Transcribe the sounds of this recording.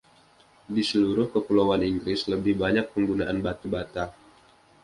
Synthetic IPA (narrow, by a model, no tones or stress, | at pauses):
disəluɾʊhkəpulowaniŋɡɾɪsləbɪhbaɲak̚pəŋɡunaʔanbat̪ubat̪a